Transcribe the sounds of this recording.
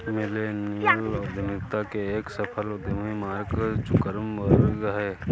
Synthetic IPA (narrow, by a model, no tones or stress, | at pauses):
mɪlenilɔːɾd̪ʱɪmɪkt̪akeeːksəpʰəlod̪ɪmimaːɾkət͡ʃʊkəɾəmbəɾɡɦɛː